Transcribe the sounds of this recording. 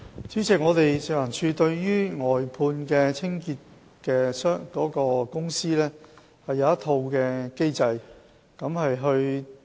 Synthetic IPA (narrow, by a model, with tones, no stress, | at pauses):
t͡syː˨˥t͡sɪ˨k̚ŋɔː˨˧t̪e˨jsɪ˨k̚wɐ˨˩nsʰyː˧t̪ɵ˧ɥːyː˥ŋɔː˨jpʰuː˧nkɛː˧t͡sʰɪ˥ŋkiː˧t̚ | kɛː˧sœː˥ŋkɔː˨˥kɔː˧kʊ˥ŋsiː˥lɛː˥ | hɐ˨jːɐ˨˧wɐ˥t̪ʰo˧wkɛː˧ke˥jt͡sɐ˧j | kɐ˨˥mhɐ˨jɦɵ˧ɥ